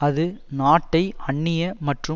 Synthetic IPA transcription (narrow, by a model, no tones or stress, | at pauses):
ɐðɯnaːʈːɐɪɐɳːɪjɐmɐʈrɯ